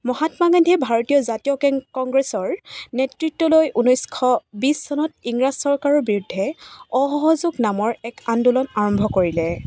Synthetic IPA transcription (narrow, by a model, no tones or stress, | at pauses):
mɔɦatmaɡandʱɛbʱaɹotijɔzatijɔkɛŋkɔŋɡɹesɔɹnetɹitːɔlojʔunɔjskʰɔbisːɔnɔtiŋɹazsɔɹkaɹɔɹbiɹudʱːɛɔɦɔɦɔzuɡnamɔɹɛkandulɔnaɹɔmbʱɔkoɹilɛ